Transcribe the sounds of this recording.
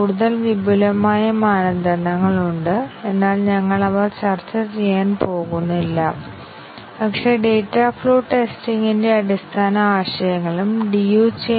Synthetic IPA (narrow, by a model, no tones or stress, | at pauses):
uːɽuðɐlʋibʱulɐmaːjɐmaːnɐnd̪ʱɐnɐŋːɐɭuɳɖɨe̞nːaːlɲɐŋːɐɭɐʋɐrt͡ɕɐrt͡ɕːɐt͡ɕejaːnpo̞ːɣunːɐilːɐ | pɐkʂe̞ɖe̞ːtːafɭo̞ːʈeːstiŋɡinde̞ɐɽist̪ʰaːnɐaːɕɐjɐŋːɐɭumɖijuːt͡ɕe